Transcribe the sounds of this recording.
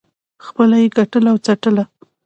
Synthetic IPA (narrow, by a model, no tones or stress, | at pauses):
xpəlajeɡaʈəlawt͡saʈəla